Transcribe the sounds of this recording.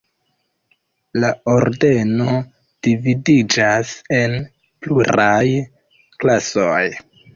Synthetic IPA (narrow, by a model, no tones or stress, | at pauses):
lao̞ɾde̞no̞ | d̥ividid͡ʒase̞n | pluɾaj | klasoj